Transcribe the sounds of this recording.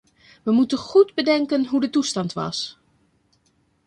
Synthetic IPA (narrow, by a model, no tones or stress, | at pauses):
ʋəmutənχudbədɛŋkənɦudətustɑntʋɑ̰s